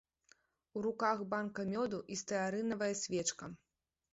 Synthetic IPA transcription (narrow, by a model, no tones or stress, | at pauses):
uɾukaxbankɐmʲɔd̪uʔist̪ɐjaɾɨnɐvɐjɐsʲvʲɛt͡ʂkɐ